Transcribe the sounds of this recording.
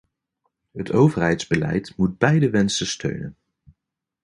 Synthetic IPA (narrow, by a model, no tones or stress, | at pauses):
ɦətowvərɦɛjtz̥bəlɛ̰jtmud̚bɛjdəʋɛnsəstʰø̰ɥnə̰n